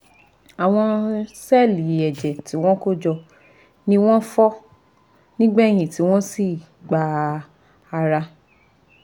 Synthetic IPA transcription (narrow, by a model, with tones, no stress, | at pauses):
a˨w̃ɔ̃˧sɛ˦˨li˨ɛ˨d͡ʒɛ˨ti˨˦w̃ɔ̃˦ko˦d͡ʒɔ˧ | nĩ˦w̃ɔ̃˦fɔ˦ | nĩ˦ɡ͡bɛ˦˨j̃ĩ˨ti˨˦w̃ɔ̃˦si˦˨ | ɡ͡ba˧˦ | a˧ɾa˧